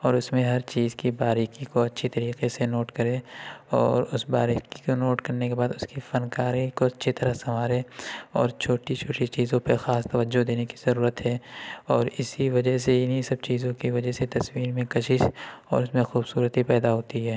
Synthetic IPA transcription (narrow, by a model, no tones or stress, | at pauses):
ɔːɾʊsmẽɦɐɾt͡ʃiːzkibaːɾikikoɐtːʃʰit̪ɐɾiːqesenoːʈkɐɾẽɔːɾʊsbaːɾikikonoːʈkɐɾnekebaːd̪ʊskifɐnkaːɾikoɐtːʃʰit̪ɐɾəɦsɐmaːɾẽɔ̰ːɾt͡ʃʰoːʈit͡ʃʰoːʈit͡ʃiːzõpɐɾxaːst̪ɐʋəd͡ʒːod̪eːneki̥zɐɾuːɾət̪ɦɛːɔːɾɪsiʋɐd͡ʒəɦseɪnɦisɐb̚t͡ʃiːzõkiʋɐd͡ʒəɦset̪ɐsmiːɾmẽkɐʃɪʃɔ̰ːɾʊsmẽxuːbsuːɾət̪ɦipɛːd̪aɦoːt̪iɦɛː